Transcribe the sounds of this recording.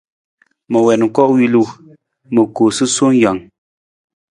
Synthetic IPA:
mə˨wɛ˨nŋ̩˨kɔ˦wi˦lu˦˨ | mə˨ko˨sɨ˦so˦ŋ˦ja˨ŋ

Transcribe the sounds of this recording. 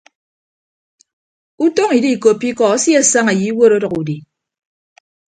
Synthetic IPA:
u˦to˦ŋi˨di˦i˨ko˨pːi˦kɔ˨a˦si˦a˦˨sa˦ŋa˨ji˨˦wo˦ɾo˦dʌ˨ku˨di˨

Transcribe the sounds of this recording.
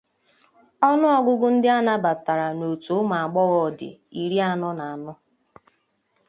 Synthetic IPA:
ɔ˦nʊ˦ɔ˦ɡʷʊ˦ɡʊ˦n̩˦dɪ˦a˦na˦ba˨ta˨ɾa˨no˨tu˨˦ma˨a˨ɡ͡bɔ˦ɣɔ˨dɪ̰˨i˨ɾi˦a˦˨nɔ˦na˨a˨nʊ˦

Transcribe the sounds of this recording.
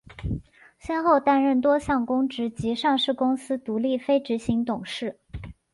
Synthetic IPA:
ɕjɛ˥nxo˥˧ʊt̪a˥nɻə˥˩nt̪wɔ˥ɕjɑ˥˩ŋkʊ˥ŋʈ͡ʂɻ̩˧˥t͡ɕi˧˥ʂɑ˥˧ŋʂɻ̩˥˩kʊ˥ŋsɹ̩˥t̪u˧˥li˥˩fe˥ɪʈ͡ʂɻ̩˧˥ɕi˧˥ŋt̪ʊ˨˩ŋʂɻ̩˥˩

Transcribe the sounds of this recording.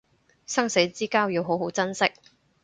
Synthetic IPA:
sɐ˥ŋse˨˥jt͡siː˥kaː˥wji˨˧wɦo˨˥wɦo˨˥wt͡sɐ˥nsɪ˥k̚

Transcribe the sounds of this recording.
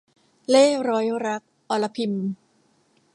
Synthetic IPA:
leː˥˩ɾɔː˦˥jɾa˦˥k̚ʔɔː˧la˧pʰi˧m

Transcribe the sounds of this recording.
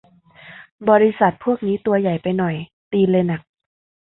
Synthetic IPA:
bɔː˧ɾi˦˥sa˨˩t̪̚pʰu˥˩ək̚niː˦˥t̪u˧ɐja˨˩jpa˧jnɔ˨˩j | t̪iː˧lɤː˧jna˨˩k̚

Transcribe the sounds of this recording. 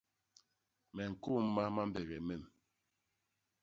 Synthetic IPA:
mɛ˨ŋ̩˨ku˦mː˦a˦ma˦m˦bɛ˨ɣɛ˨mɛ˨m

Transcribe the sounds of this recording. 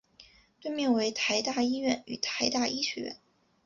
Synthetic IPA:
t̪we˥˧ɪmjɛ˥˩nwe˧˥ɪt̪ʰa˧˥ɪt̪a˥˩i˥ɥɛ˥˩ny̰˨˩t̪ʰa˧˥ɪt̪a˥˩i˥ɕʰɥɛ̰˧˥ɥɛ̰˥˩n

